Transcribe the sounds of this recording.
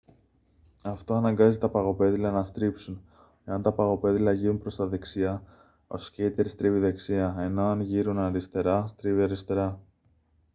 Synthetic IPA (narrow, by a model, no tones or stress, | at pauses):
ɐft̪o̞ɐnɐŋɡɐzit̪ɐpɐɣo̞pe̞ðilɐnɐst̪ɾipsun | e̞ɐnt̪ɐpɐɣo̞pe̞ðilɐʝiɾunpɾo̞st̪ɐðeksiɐ | o̞̰sceit̪eɾst̪ɾiviðe̞ksiɐe̞no̞ɐnʝiɾunɐɾist̪e̞ɾɐst̪ɾiviɐɾist̪e̞ɾɐ